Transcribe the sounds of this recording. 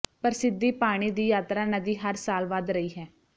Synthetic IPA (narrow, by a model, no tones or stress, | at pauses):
pəɾsɪd̪iːpaːɽ̃iːd̪iːjaːt̪ɾaːnəd̪iːɦəɾsaːlʋad̪ɾəiːɦɛː